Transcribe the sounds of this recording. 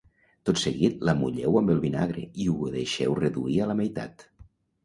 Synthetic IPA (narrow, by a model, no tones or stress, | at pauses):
t̪ot̪seɣit̪̚lamuʎɛwəmbəlˠβinaɣɾḛiuðeʃɛwreðṵiələmejt̪a̰t̪